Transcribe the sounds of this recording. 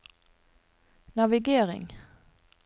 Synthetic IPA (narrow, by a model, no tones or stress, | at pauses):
nɑʋɪɡeːʁɪ̰ŋ